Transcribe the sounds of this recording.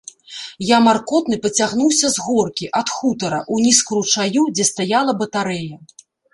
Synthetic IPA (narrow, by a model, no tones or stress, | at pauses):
jamarkɔt̪nɨpɐt͡sʲaɣnuwsʲɐzɣɔrkʲiʔɐt̪xut̪ɐɾɐʔunʲiskuɾut͡ʂajud͡zʲɛst̪ajalˠɐbɐt̪aɾɛjɐ